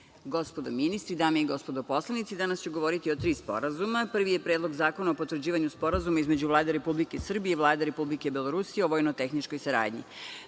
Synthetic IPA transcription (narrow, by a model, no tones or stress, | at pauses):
ɡospod̪ominist̪ɾid̪aːmiiɡo̞spo̞d̪opo̞slˠanit̪sid̪anast͡ɕeɡo̞ʋoɾit̪iot̪ɾiːspo̞̰ɾazumapr̩ʋijepɾedlˠo̞ɡzaːko̞naopo̞t̪ʋr̩d͡ʑiːʋaɲuspo̞ɾazumaizme̞d͡ʑuʋlˠaːd̪eɾe̞publikesr̩bijeivlˠaːd̪eɾe̞publike̞ibelˠo̞ɾusijeoʋoːjnot̪exnit͡ʃko̞jsaɾa̰ːd̪ɲḭ